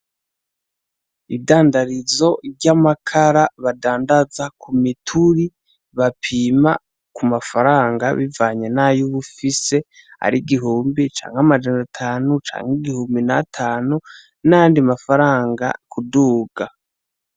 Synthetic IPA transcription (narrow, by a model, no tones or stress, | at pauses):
iβdaːndaɾizo̞bɟamakʰaɾaβadaːndazakʰumitʰuɾi | βapʰiːma̰ | kumafaɾaːŋɡa̰βivaːɲe̞najuβufise̞ | a̰ɾiɡiɦuːmbit͡ʃa̰ːŋɡamad͡ʒanatʰaːnut͡ʃa̰ːŋɡiɡihuːmbinatʰaːnu | najaːndiamafaɾaːŋɡa̰kʰuduːɡa